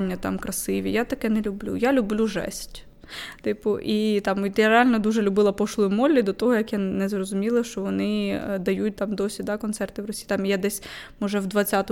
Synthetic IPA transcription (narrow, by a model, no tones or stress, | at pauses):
nʲːɐt̪ɑ̰mkɾʔɐsɪʋʲḭjat̪ɐkɛnɛlʲʊblʲṵjalʲʊblʲuʒɛ̰sʲtʲ | t̪ɪpʊʔit̪ɑmt̪jaɾealʲnɔd̪uʒɛlʲʊbɪlˠɐpɔʃlˠɔjʊmɔlʲːid̪ɔt̪ɔɦɔjɐkjanɛzrɔzʊmʲilˠɐʃt͡ʃɔʋɔnɪd̪ɐjut̚ʲt̪ɑmd̪ɔsʲid̪ɑkɔnt̪sɛrt̪ɪwrɔsʲi̥jːt̪ɑmjɛd̪ɛsʲmɔʒɛwd̪ʋɐt͡sʲːat̪ɔ